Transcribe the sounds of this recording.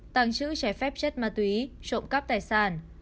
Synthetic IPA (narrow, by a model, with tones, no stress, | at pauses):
t̪aː˧˩ŋt͡ɕɨ̰˧˥t͡ɕa˧˩fɛ˦˥p̚t͡ɕe˦˥t̚maː˨˩t̪wi˨˦t͡ɕo̰˧˨mkə˦˥p̚t̪aː˧˩jsaː˧˩n